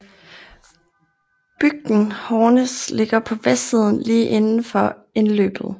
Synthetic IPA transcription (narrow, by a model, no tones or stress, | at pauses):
b̥yɡ̥̚d̥n̩hɒːnəsle̝ɡ̥ɐpʰɒ̽ʋesið̞̰ˠn̩liːʔe̝nn̩fɒe̝nlø̰ːb̥ð̩ˠ